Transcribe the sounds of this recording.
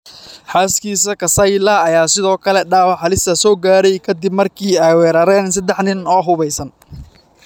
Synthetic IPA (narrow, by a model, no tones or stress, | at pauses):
ħaːskiːsɐkʰɐsɐjlɐɐjaːsɪðɔːkʰɐlɛɖaːwɑħɑlɪst̪ʰɐsɔːɡaːɾɛjkʰɐd̪ɪbmɐrkʰiːɛjwɛːɾɐɾɛːns̬ɐd̪ɛħnɪnɔːɦʊβɛjsɐn